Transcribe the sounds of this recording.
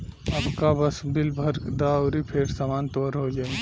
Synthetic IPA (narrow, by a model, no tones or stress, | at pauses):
ɐbkabɐsbɪlbʱəɾd̪aɔɾipʰeːɾsamaːnt̪oːɾɦod͡ʒa